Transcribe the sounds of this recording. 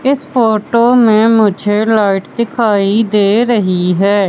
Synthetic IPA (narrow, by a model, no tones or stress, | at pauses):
ɪspʰoːʈoːmẽːmʊd͡ʒʱeːlaːɪʈd̪ɪkʰaːid̪eːɾəɦiɦɛː